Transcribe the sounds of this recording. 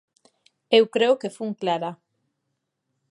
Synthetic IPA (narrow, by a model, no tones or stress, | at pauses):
ewkɾeokefuŋklaɾa